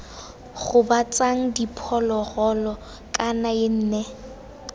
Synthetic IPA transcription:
ɣʊbat͡sʼaŋ̩dipʰɔlɔɣɔlɔ | kʼanaɪn̩ːnɛ

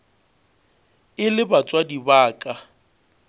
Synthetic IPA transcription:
ɪlɪbat͡sʼwadibaːkʼa

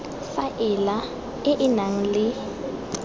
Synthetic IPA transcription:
faʔɪla | ɪʔɪnaŋ̩lɪ

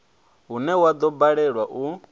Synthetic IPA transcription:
ɦunɛwad̪ɔbaɺɛɺwaʔu

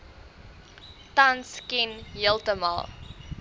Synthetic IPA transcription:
tanskinjəlˠtəmɐ̰lˠ

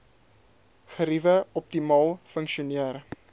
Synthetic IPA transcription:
χəɾivəɔp̚timɑːlˠfəŋkʃiuniər

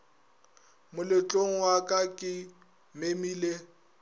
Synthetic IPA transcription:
mʊlɪt͡ɬʼoŋ̩wakʼakʼɪ | memiːle

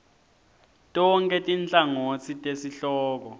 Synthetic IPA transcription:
tʼɔŋkʼɛtʼint͡ɬʼaŋot͡sʰitʼesiɬɔːk̬ɔ

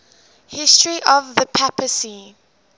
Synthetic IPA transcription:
hɪstɹiʔɔvðəpʰapəsi

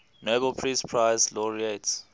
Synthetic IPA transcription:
nobəlpʰɹispʰɹaɪslɔɹiets

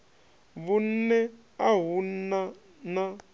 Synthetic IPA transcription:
βun̩nɛ | aɦun̩na | na

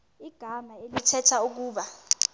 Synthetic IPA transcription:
iɡ̥ʱamaeutʰɛtʰauk̬uːɓa

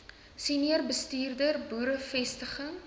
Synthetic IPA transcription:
siniərbəstiːrdərbuːɾəfɛstəχəŋ

